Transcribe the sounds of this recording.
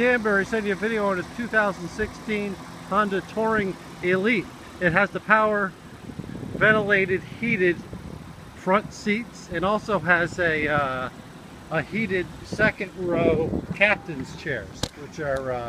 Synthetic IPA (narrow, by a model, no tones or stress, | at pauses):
d̥æ̃nbə˞isɛ̃nə˞vɪɾioʊɪ̃nɨðɨtʰʉθaʊzn̩sɪkstʰĩn | ʌ̃ndə˞tʰɔɹɪ̃ŋ | ɪliɾ | ɨt̚ɦɨzðəpʰaʊə˞ | vɛ̃ɾ̃əleɪɾɨd̚hiɾɪd̥ | fɹʌ̃ntsitsɨ̃nɔlˠsoʊɨzɨ | əhiɾɪd̚sɛkɨ̃nd̚ɹoʊkʰæp̚tɨ̃nz̥t͡ʃʰɛɹz̥wɨt͡ʃə˞